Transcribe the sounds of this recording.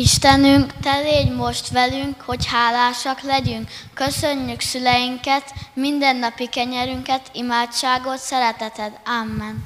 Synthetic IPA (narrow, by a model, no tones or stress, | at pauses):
iʃt̪ɛnyŋkt̪ɛleːɟmo̞ʃt̪ʋɛlyŋkho̞chaːlaːʃɒklɛɟyŋkːø̞søɲːyksylɛjiŋkɛt̪mind̪ɛnːɒpikɛɲɛɾyŋkɛt̪imaːt͡ʃaːɡo̞t̪sɛɾɛt̪ɛt̪ɛd̪amːɛn